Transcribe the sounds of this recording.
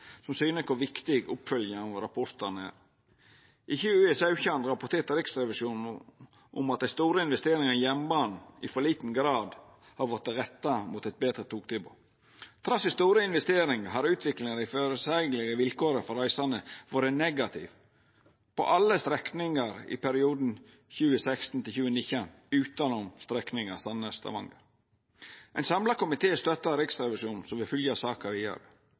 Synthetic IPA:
sɔmsyːnəskʰʊɾʋɪkt̪ɪɡʊ̰pfœljəɑɾɑpʰɔɾt̪ənəæ̰ːɾ | ʔɪçəʉːɛsɑʉçɑnɾɑpʊt̪eːɾt̪əɾɪksɾɛʋɪʃuːnn | ʊ̰mɑt̪̚d̪æɪst̪uːɾəɪnʋɛst̪eːɾɪŋənjɛmbɑːnɪ̰fɔlɭiːt̪n̩ɡɾɑːd̪ | hɑɾʋɔt̪ːəɾɛt̪ːɑmuːt̪ɛt̪̚beːd̪ɾət̪ʰuːk̚t̪ʰɪbo̰ | t̪ʰɾɑsɪst̪uːɾəɪnʋɛst̪eːɾɪŋəɦɑɾʉːt̪ʰʋɪklɪŋəɾɪføːɾəsɛɡlɪɡəʋɪlkoːɾəfɔɾæɪsɑnəʋoːɾənɛɡɑt̪ʰɪ̰ʋ | pʰɔ̰ʔɑlːəst̪ɾɛknɪŋɑɾɪ̰pæɾɪuːd̪n̩ | çʉːəsækst̪n̩t̪ʰɪlçʉːənɪçən | ʉːt̪ɑnʊmst̪ɾɛknɪŋəɑsɑnəst̪ɑ̰ʋɑ̰ŋɡəɾ | ʔɛɪnsɑmlɑkʊmɪt̪ʰeːst̪œt̪ːɑɾɪksɾɛʋɪʃuːnsɔmʋɪfʏljɑsɑːkɑɾɪɑ̰ːɡ

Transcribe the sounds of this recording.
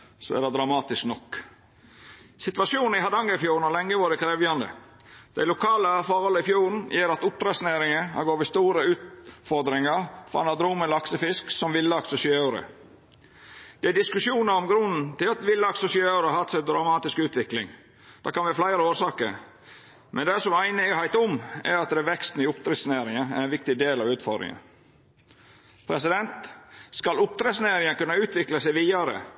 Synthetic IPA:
sɔ̰æ̰d̪ɛd̪ɾɑmɑːt̪ɪsknɔkː | sɪt̪ʋɑsjuːnn̩ɪhɑd̪ɑŋːəfjuːɾn̩hɑlɛŋːəʋoːɾəkʰɾeːʋjɑnd̪ə̰ | d̪̥æ̰ɪlʊkʰɑːləfɔɾhɔlːəɪfjuːɾn̩jeːɾɑt̪ʊp̪ːɾɛsneːɾɪŋəhɑ̰ɡoːɾʋiːst̪uːɾəʉːt̪fɔɾd̪ɾɪŋəɾfɔɾɑ̰nɑd̪ɾuːməlɑksəfɪsksɔmʋɪlːəɑksʊsɪøeːɾə̰ | d̪̥ɛæɖɪskʉsjuːnəɾɔmɡɾʊnn̩t̪ɪlɑt̪ʋɪlːəɑksʊsɪøːɾəɑhɑt̪sɛd̪ɾɑʊmɑːt̪ɪskʉːt̪ʋɪklɪŋ | d̪̥ɑ̰ːkɑnʋɪhɑflæɪɾəoːɾsɑːkəɾ | mʔɛnd̪ɛsɔmæɪnəhæɪt̪ʊmɛ̰ɾɑt̪̚d̪ɛʋɛkst̪n̩ɪʊpt̪ʰɾɛsneːɾɪŋɑæ̰ɾɛnʋɪk̚t̪ɪd̪eːlɑʋʉːt̪fɔɾd̪ɾɪ̰ŋə̰ | pʰɾɛsɪd̪ɛnt̪skɑlʊp̚t̪ɾɛsneːɾɪŋənkʉnːɑʉːt̪ʋɪkləsæɪʋiːɑɾə̰

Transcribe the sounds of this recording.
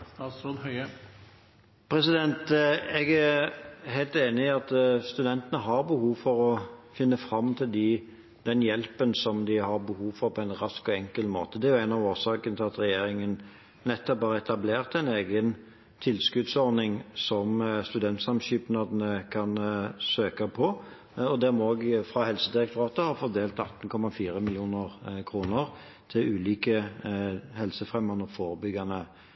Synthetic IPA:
ɑsod̪hœʏə | pʰɾɛsɪd̪ɛnt̪ɛɡæhæɪlt̪eːnɪɑt̪st̪ʉd̪ɛnt̪ənəɦɑɾbəhuːʋfɔɾɔfɪnːəfɾɑmːt̪ʰɪld̪ɪ | d̪̥ɛnjɛlpənsɔmd̪ɪhɑɾbəhuːʋfɔɾpʰɔæɪnʁɑskɔɛŋkəlmo̰ːt̪əd̪ɛæɾjʊæɪnɑʋoːʁsɑːkənət̪ʰɪlɑt̪ɾɛjeːɾɪŋən | nɛt̪ːɔphɑːɾəɛt̪ɑbleːʁt̪æɪneːɡən | t̪ʰɪlskʉd̪sɔɾnɪŋsɔmst̪ʉd̪ɛnt̪sɑmɕyːpnɑːd̪nəkʰɑnsøːkɑpʰɔ | ɔd̪ɛmoɡfʁɑhɛlsəd̪ɪʁɛkt̪ʰʊʁɑːt̪əhɑfɔɾd̪eːlt̪ɑt̪ːən̩kʰɔmɑfiːɾəmɪljuːnəʁkʰɾuːnəɾ | t̪ʰɪlʉːliːkə | hɛlsəfʁɛmːɑnəfoːɾəbʏɡɑnə

